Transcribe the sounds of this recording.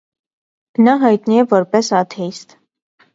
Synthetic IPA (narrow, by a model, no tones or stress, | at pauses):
nɑɦɑjt̪niɛvɔɾpɛsɑt̪ʰɛist̪